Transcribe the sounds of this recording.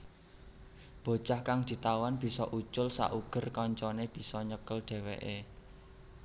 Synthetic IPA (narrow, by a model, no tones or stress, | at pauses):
b̥o̤̥t͡ʃahkaŋd̪̥i̤t̪awanb̥i̤sɔʔut͡ʃʊlsa̰ʔuɡ̥ə̤rkɔɲt͡ʃɔneb̥i̤sɔɲəkəlɖ̪̥e̤wḛʔe